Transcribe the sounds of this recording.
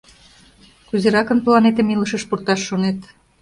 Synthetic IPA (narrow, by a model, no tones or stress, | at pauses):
kuzeɾɑkə̆nplɑnet̪ə̆miləʃəʃpurt̪ɑʃːonet̪